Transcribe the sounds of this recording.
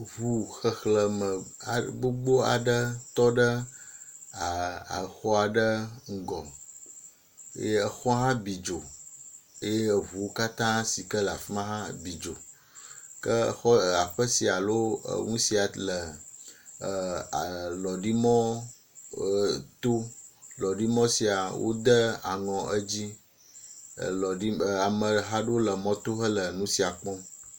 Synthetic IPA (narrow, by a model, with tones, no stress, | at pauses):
vu˨xə˨xlə˨mə˨a˨ɡ͡bo˦ɡ͡bo˦a̰˨ɖə˦t̪ɔ˦ɖə˦ | a˨a̰˨xɔ˦a˨ɖə˦ŋ̩˦ɡɔ˨˦ | ə˨xɔ˦ɦã˦bi˨d͡ʒo˨ | e˦je˦˨vu˨wo˦ka˦t̪ã˦si˨kə˦la˨fi˦mã˦ɦã˦bi˨d͡ʒo˨ | kə˦˨xɔ˦˨a˨ɸə˦si˨a˨lo̰˦˨ŋũ˦si˨a˨lə˨ | lɔ˨ɖi˦mɔ̃˦ | t̪o˦lɔ˨ɖi˦mɔ̃˦si˨a˨wʔo̰˦d̪ə˦a˨ŋɔ̃˨ʔə˦d͡ʑi˦˨ | lɔ˨ɖi˦˨a˨mə̃˨ɦa˦ɖe˦wo˦lə˨mɔ̃˦t̪o˦xə˦lə˨nũ˦si˨a˨k͡pɔ̃˦